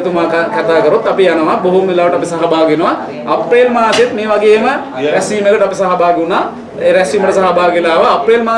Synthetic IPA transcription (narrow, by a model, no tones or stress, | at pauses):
t̪umaːkakat̪aːkəɾot̪ɐpijanəʋaboɦumʋilaːʋəʈəɐpisaɦabaːɡenəʋa | ɐpːelmaːset̪meːʋaɡeːmə | ɾɛsiːmeɡəʈəɐpisaɦabaːɡunaː | eɾæsiːməʈəsaɦabaːɡilaːʋəɐpːeːlmaː